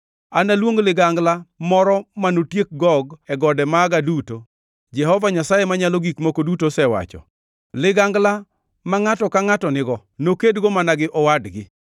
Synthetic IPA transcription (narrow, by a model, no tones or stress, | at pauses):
analwoŋlɪɡaŋɡlamɔɾɔmanotjek̚ɡɔɡɛɡɔdɛmaːɡaduto | d͡ʒɛhɔvaɲasajemaɲaloɡikmokodutosɛwa̰t͡ʃɔ̰ | lɪɡaŋɡla | maŋatɔkaŋatɔnɪɡɔ | nokedɡomanaɡɪʔɔwadɡɪ